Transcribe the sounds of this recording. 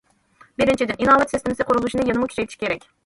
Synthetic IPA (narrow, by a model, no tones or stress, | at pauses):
bɪɾɪnt͡ʃʰid̪ɪninɑːvɛt̪sɪst̪ɪmɪsɪqʰoɾulˠuʃinɨjenɨmukʲʰyt͡ʃʰɛjt̪ʰiʃi̥kʲeɾɛkʲ